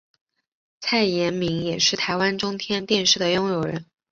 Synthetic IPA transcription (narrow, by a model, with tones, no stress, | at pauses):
t͡sʰa˥˩ɪjɛ˧˥nmi˧˥ŋjɛ˨˩ʂɻ̩˥˩t̪ʰa˧˥ɪwa˥nʈ͡ʂʊ˥ŋt̪ʰjɛ˥nt̪jɛ˥˧nʂɻ̩˥˩d̪ə˩jʊ˥ŋjo˨˩ʊɻə̰˧˥n